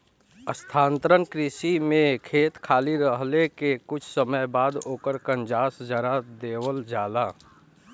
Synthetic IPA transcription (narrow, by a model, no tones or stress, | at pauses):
əst̪ʰãːnt̪ɾənkɾɪsimẽkʰeːt̪kʰaːliɾəɦlekekʊt͡ʃʰsəməjbaːd̪oːkəɾkə̃nd͡ʒaːsd͡ʒəɾad̪eːwəld͡ʒaːlaː